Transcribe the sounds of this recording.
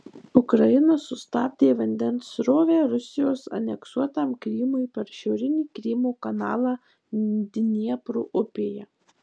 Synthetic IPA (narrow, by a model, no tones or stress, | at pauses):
ʊkɾɐjɪnɐsʊst̪ɑːd̪ʲeːʋɐnʲd̪ʲɛnsɾoːʋʲæːɾʊsʲɪjoːsɐ̰nʲɛksuɔt̪ɑːmkɾʲɪːmʊɪpʲɛɾʃʲɛʊɾʲɪnʲiːkɾʲɪːmuːkɐnɑːlˠɑː | d̪ʲɪnʲiɛpɾuːʔʊpʲeːjɛ